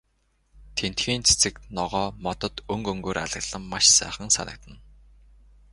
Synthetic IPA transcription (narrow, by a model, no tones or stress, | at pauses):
t̪ʰen̥t̪xiːnt͡sʰe̥t͡sɘ̆knɔʁɔːmɔt̪ɞ̆t̪ɵŋkɵŋɡoːɾʔa̰ɮə̆ɣɮ̥ə̆mːaʃsæ̰ːχə̆ŋsa̰nʔə̆k̚t̪ə̆n